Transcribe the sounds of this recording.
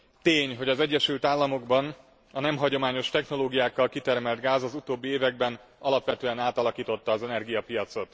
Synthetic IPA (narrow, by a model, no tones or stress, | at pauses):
t̪eːɲɦo̞ɟɒzɛɟːɛʃylt̪aːlːɒmo̞ɡbɒn | ɒnɛmɦɒɟo̞maːɲo̞ʃt̪ɛxno̞loːɡijaːkːɒlkit̪ɛrmɛlt̪ɡaːzɒzut̪oːbːieːvɛɡ̚bɛnɒlɒpʋɛt̪øːɛnaːt̪ɒlɒkiːt̪ot̪ːɒːzɛnɛrɡijɒpijɒt̪so̞t̪